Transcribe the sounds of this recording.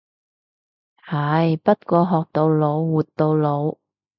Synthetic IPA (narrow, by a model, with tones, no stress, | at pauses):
hɐ˨˥jpɐ˥t̚kʷɔː˧ɦɔː˨k̚t̪o˧wlo˨˧wːuː˨˩t̪ːo˧wlo˨˧w